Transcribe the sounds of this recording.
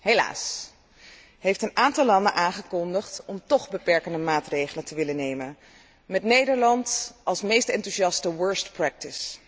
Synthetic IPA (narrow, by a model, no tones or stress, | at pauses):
ɦejla̰ːs | ɦejftənʔaːntɑlˠːɑndənʔaːŋχəkɔndəχtɔmtɔχbəpɛɹkəndəmaːtrejχələntəʋɪlənejmən | mɛtnejdəɹlɑntɑlˠsmejstɛntusɑstəwɜɹstpɹɛk̚tɪs